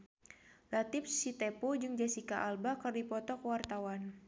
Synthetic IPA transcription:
lat̪if̚sit̪ɛpud͡ʒɨŋd͡ʒasikaʔalbakɨrdipɔt̪ɔkwart̪awan

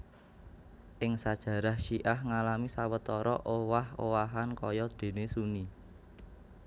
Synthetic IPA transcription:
ʔɪŋsad̥ʒ̥ä̤ɾahʃiʔahŋalamisawət̪ɔɾɔʔowahowaɦankɔjɔd̪̥e̤nesuni

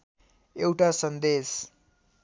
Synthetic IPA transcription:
ewʈasʌnd̪es

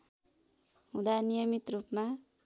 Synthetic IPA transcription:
ɦũd̪anijʌmit̪rupma

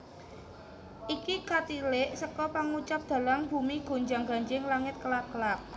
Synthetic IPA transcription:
ʔikikat̪ilɪʔsəkɔpaŋut͡ʃap̚d̪̥ä̤laŋb̥ṳmiɡ̥o̤ɲd͡ʒaŋɡa̤ɲd͡ʒɪŋlaŋɪt̪̚kəlakəlak̚

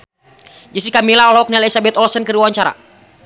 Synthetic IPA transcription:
d͡ʒisikamilaɔlɔɔk̚nialisabɛt̪ɔlsənkəɾiwaɲt͡ʃaɾa̰

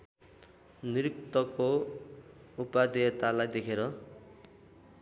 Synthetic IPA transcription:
niɾik̚t̪ʌko | upad̪et̪alajd̪ekʰeɾʌ

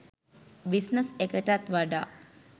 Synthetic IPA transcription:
bisnəsekəʈat̪ʋaɖaː

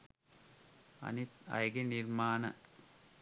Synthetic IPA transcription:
ɐ̰nit̪ɐ̰jɡeniɾmaːnɐ̰

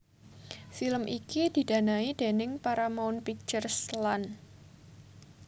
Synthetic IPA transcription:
filəmʔikid̥i̤danaidenɪŋpaɾamaʊnpik̚t͡ʃərslan

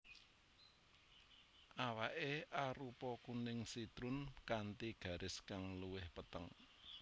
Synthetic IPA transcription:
ʔawaʔeʔaɾupɔkunɪŋsid̪̥ɾʊnkant̪iɡ̥ä̤ɾʔɪskaŋluwɪhpət̪əŋ

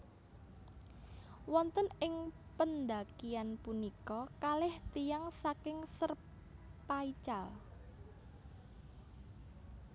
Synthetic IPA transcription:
wɔnt̪ənɪŋpənd̪akijanpunikɔkalɛht̪ijaŋsakɪŋsər | pait͡ʃal

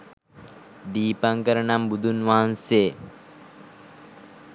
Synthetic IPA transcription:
d̪iːpaŋkəɾənambud̪ʱunʋaɦanse

